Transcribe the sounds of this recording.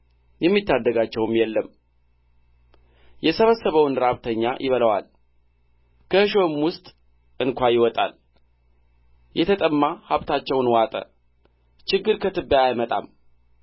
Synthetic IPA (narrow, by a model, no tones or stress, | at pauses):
jɛmːit̪ːad̪ːəɡat͡ʃːɛwmjɛlːəm | jɛsəβəsːəβəwnɾaβt̪ʰəɲːa̰jʔɪβələwa̰l | kʰəɨʃomwʊst̪ʼ | ʔɨnkʷajɪwɔt̪ʼa̰l | jɛt̪ʰət̪ʼəmːahaβt̪ʰat͡ʃːɛwnwat̪ʼə̰ | t͡ʃɪɡːɨɾkʰət̪ɨbːəjajmət̪ʼa̰m